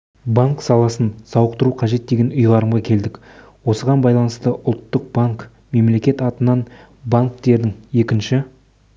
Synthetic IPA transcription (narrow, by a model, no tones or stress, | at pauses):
baŋksɑlˠɑsənsɑwəq̚t̪əɾuqʰɑʒe̞t̪̚d̪e̞ɡʲe̞nʊjʁɑɾəmʁɑkʲʰe̞ld̪ɪk | wo̞səʁɑnbɑjlˠɑnəst̪əʔʊlˠt̪ːəq̚baŋk | me̞mle̞kʲe̞t̪ɑt̪ənɑn | baŋk̚t̪e̞ɾd̪ɪŋje̞kʲɪnʃɪ